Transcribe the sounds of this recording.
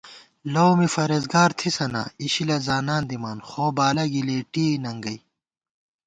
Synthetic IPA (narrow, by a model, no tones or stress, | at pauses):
lowmifɐɾezɡaːɾt̪ʰisɐna̰iɕilɐzaːnaːnd̪imaːnxoːbaːlɐɡileːʈiːnɐŋɡɐj